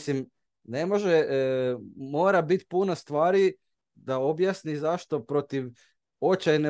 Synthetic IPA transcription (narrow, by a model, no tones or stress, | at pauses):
sim | nemo̞ʒe | mo̞ːɾabit̪punast̪ʋaːɾi | d̪ao̞bjasnizaʃt̪o̞pɾo̞t̪iʋ | o̞t͡ʃajne